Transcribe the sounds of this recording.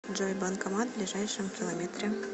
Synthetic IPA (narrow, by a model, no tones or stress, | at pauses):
d͡ʒojbɑnkomɑd̪blʲiʒɑjʂə̆mkʲilˠomʲet̪rʲe